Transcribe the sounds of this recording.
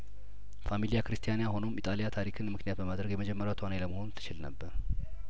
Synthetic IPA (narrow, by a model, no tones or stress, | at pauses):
familijakɾɨst̪ʰijanjaɦo̞no̞mʔit̪ʼalijat̪ʰaɾikʰɨnmɨknijat̪bəmad̪ɾəɡjɛməd͡ʒɛmːəɾjat̪ʰwaneləməho̞nt̪ʰːɨ̥t͡ʃɪlnə̰bːəɾ